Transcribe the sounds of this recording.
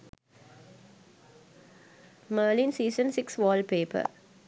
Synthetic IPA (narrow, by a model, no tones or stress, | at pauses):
məːlĩnsiːsə̃nsɪksʋɔːlpeːpə̰